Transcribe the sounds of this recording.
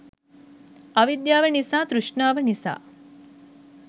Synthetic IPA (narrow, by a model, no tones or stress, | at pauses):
ɐʋid̪jaːʋɐɳisaːt̪ɾuʂɳaːʋɐnisa̰ː